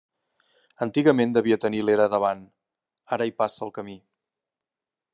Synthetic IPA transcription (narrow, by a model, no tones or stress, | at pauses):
ənt̪iɣəmend̪əβiət̪ənileɾəðəβan | aɾəipasəlˠkəmi